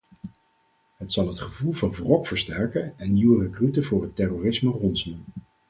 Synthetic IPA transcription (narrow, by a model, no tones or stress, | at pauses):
ɦətsɑlˠɦətχəvulˠvɑnvrɔkfəɹstɛɹkənɛnːiwərəkrytəvʊːɹɦətɛroːrɪsmərɔnsmən